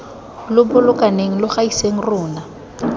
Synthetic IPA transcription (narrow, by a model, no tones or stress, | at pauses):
lʊbʊlʊkʼaneŋ̩lʊχaiseŋ̩rʊːna